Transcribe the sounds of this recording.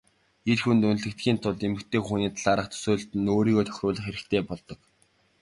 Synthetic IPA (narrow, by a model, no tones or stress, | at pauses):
erxunt̪ɵn̆ɮɘ̆k̚t̪ɡʲiːnt̪ʰʊɮemɘ̆kt̪ʰeːxuniːt̪ʰaɮaːɾə̆χt̪ʰɵ̥soːɮɬt̪ɘ̆noːɾiːɣoːt̪ʰœ̥xʲrʊːɮə̆χeɾɘ̆kt̪ʰeːpɔɮt̪ɞ̆k